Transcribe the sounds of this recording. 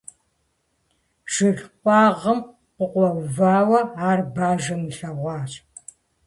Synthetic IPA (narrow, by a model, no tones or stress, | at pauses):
ʒ̥ɪɮqʷʼɑːʁɐm | qʷʊqʷɔvaːwɐaːrbaːʒɐmɨɬɐʁʷɑːt͡ʃʼ